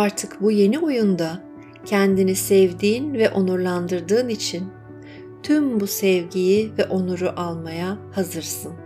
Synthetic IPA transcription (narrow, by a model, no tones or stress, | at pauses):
aɾt̪ʰɯkbuje̞niojund̪a | cʰɛnd̪inisɛvd̪iːnvɛʔo̞nuɾlˠand̪ɯɾd̪ɯːnit͡ʃʰin | t̪ʰymbusɛvɟijivɛʔo̞nuɾuʔalˠmajahazɯɾsɯn